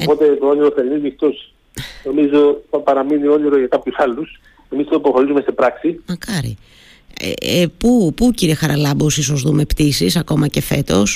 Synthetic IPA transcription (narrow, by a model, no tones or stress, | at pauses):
opo̞t̪e̞t̪ooniɾoθeɾinizixt̪os | no̞mizo̞θɐpɐɾɐminio̞niɾoʝɐkɐpçusɐlːus | emist̪oipoxo̞ɾisume̞st̪epɾɐksimɐkɐɾḭ | ḛpupuciɾie̞xɐɾɐlɐbosiso̞zðume̞pt̪isisɐko̞mɐce̞fe̞t̪o̞̰s